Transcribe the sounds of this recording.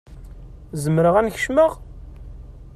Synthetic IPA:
zəmɾəʁænçəʃməʁ

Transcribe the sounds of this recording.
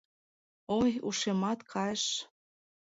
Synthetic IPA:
ojṵʃemɑt̪kʰɑʃ

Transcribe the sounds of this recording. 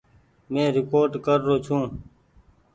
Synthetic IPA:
mẽːɾɪkoːɾʈkəɾːoːt͡ʃʰũː

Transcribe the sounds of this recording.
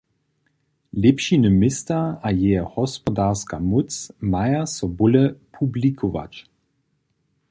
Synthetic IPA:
lɛpʃinəmɪstaajɛəhɔspɔdaʁskamut͡smajasɔbʊləpʰublikʰova̰t͡ʃ

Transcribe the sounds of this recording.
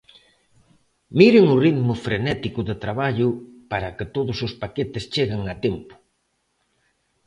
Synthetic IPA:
miɾɪŋʊriðmʊfɾenɛt̪ikʊðet̪ɾaβaʎʊpaɾɐkɪt̪oðʊsʊspaket̪ɪst͡ʃeɣaŋat̪ɛmpʊ̥

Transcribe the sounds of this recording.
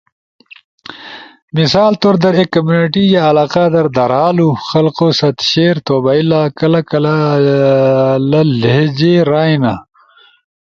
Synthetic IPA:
misaːlt̪oɾd̪ɐɾekːɐmjuːniʈijaɐlaːqad̪ɐɾd̪ɐɾaːluxɐlqosɐt̪ɕeːɾt̪oːbaːilaːkɐlɐkɐl | lɐleɦd͡ʑeːɾaːjna

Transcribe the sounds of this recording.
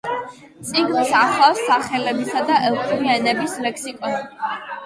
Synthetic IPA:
t̪sʼiɡnisaχafsaχɛlɛbisad̪aʔɛlˠk̪ʰʼuɾianɛbislɛkʰsikʼɔs

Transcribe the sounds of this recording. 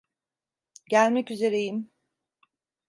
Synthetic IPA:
ɟælʲmɛcyze̞ɾejim

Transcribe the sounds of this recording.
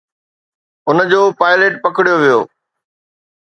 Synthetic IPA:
ʊnəd͡ʑoːpaːɪleːʈ̚pɐkɪɽijoʋijo̰ː

